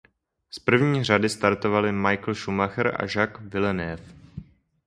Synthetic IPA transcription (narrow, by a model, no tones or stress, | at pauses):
spr̩vɲiːr̝adɪst̪aɾt̪o̞valɪmajkl̩ʃumaxɾʔa̰ʒakvɪlɛnɛf